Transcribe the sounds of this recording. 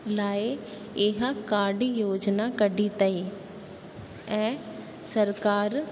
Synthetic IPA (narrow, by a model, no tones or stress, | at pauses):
laːe | ɪɦakaːɾɖijoːd͡ʒnaːkəɖiːt̪əi | ɛ̃ː | səɾkaːɾ